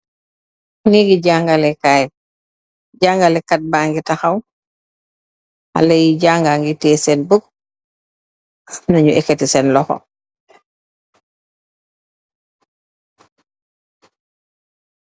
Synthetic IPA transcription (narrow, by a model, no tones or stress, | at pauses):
niɡiɟaŋɡalɛkaj | ɟaːŋɡalɛkat̚baŋɡitaxaw | ha̰lejiɟaŋɡaŋɡitɛːsɛnbuɡ̚ | nɐɲuɛkːetisɛnlɔxɔ̰